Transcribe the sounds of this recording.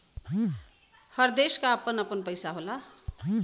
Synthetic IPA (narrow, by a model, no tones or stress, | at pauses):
hʌɾd̪eskaʌpənʌpənpʌjsaɦola